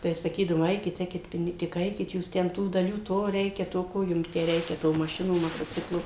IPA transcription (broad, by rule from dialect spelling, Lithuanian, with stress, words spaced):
tɐɪ sɐˈkʲiːdɐʋoːm ˈɐɪkʲɪt ˈɛɪkʲɪt ˈpʲɪnʲɪ tʲɪk ˈɐɪkʲɪt ˈjuːs tʲɛn tuː dɐˈlʲuː ˈtoː ˈrʲɛɪkʲɛ toː ˈkoː jʊm tʲæː ˈrʲɛɪkʲɛ tuː mɐˈʃʲɪnuː moːtoːˈt͡sʲɪklˠuː